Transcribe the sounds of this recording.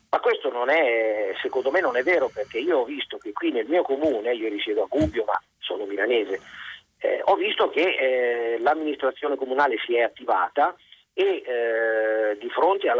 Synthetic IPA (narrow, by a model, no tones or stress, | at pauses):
makwest̪ononɛsekond̪omenːonɛvːɛːɾoperk̟eiːoɔvːist̪ok̟ekːwinelmiːokomuːneiːoɾisjɛːd̪oaɡubjoma̰ | so̰ːnomilaneːzḛ | ɔvːist̪ok̟e | lamːinist̪ɾat̪sːjoːnekomunaːlesiɛat̪ːiva̰ːt̪a | e | d̪ːifɾont̪ea